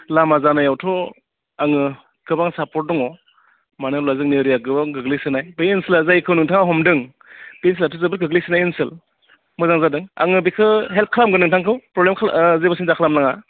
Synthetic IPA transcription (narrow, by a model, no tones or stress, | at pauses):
lamazanajawtʰɔ | aŋɯ | ɡ̥ɯbaŋsapɔɾ̚dɔŋɔ | manɯlazɯŋniɾijaɡɯbaŋɡɯɡlisɯnajbɯinsilazajkʰɯwnɯŋtʰaŋaɦɔmdɯŋ | b̥ensilatʰɔzɯbɯɾɡɯɡlisɯnajɯnsɯl | mɯzaŋzadɯŋa̰ŋɯbikʰɯɦelp̚kʰalamɡɯnɯŋtʰaŋkʰɯwpɾɔblemkʰzebɯs̬inzakʰlamnaŋa